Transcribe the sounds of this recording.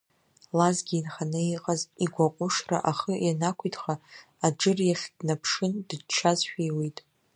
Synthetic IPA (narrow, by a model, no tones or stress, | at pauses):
lazɡʲiːnχanɨiqʼaziɡʷaqʷʼʊʂra̰ʔaχəjanakʷʰitʰʼχaː | d͡ʒɨrjaχʲdnapʰʂɨndɨt͡ʃʰazʃᶣijwejtʼ